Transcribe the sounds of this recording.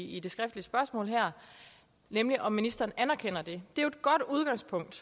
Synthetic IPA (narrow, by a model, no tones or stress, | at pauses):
id̥e̝sɡ̥ʁɛfd̥liəsb̥ɶɐsmɔ̰̽ːlɦæɐ̰ | nemliʔɒ̽minisd̥ɐːnænæɐkʰen̰ɐd̥e̝d̥e̝ʊed̥̚ɡ̥ɒ̽d̥uð̞ˠɡ̥ɑ̈ŋ̰spʰɔ̽ŋ̰d̥